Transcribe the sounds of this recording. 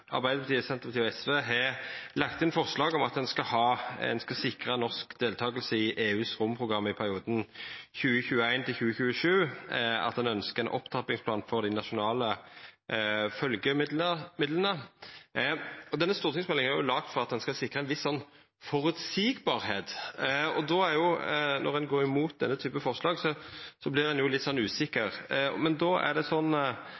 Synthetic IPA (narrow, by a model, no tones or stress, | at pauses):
ɑ̰ʁbæɪd̪əpʰɑt̪iːsɛnt̪əpɑt̪ʰiːɔɛsʋeːɦɛlɑkt̪ɪnfɔʁʂlɑːɡɔmɑt̪̚d̪ɛnskɑhɑːɛ̰nskɑlsɪkʁənɔʁskd̪eːlt̪ʰɑːɡəlsəɪʔeːʉːsʁʊmːpʰʁʊɡʁɑmːɪpʰæʁɪuːd̪nçʉːəçʉːəæɪnt̪ʰɪlçʉːəçʉːəʂʉːɑ̰t̪d̪ɛnœnskəɛnʔɔ̰pːt̪ʰɑpɪŋspʰlɑːnfɔʁd̪ɪnɑʃʊnɑːlə | fœlɡəmɪd̪ləmɪd̪lənə | ɔd̪ɛnːəst̪uːt̪ʰɪŋsmɛlɪŋəæɾjʊlɑːɡt̪fɔʁɑt̪̚d̪ɛnskɑlsɪkːʁəæɛnʋɪsːɔnː | fɔɾʉt̪siːɡbɑːɾheːt̪ɔd̪ɔæɾjʊnɔ̰ʁɛnɡoːɾɪmuːt̪̚d̪ɛnːət̪ʰyːpəfɔʁʂlɑːɡsɔsɔblɪʁdɛnjʊlɪt̪sɔnːʉːsɪkːəʁmɛnd̪oːæ̰d̪ɛsɔnː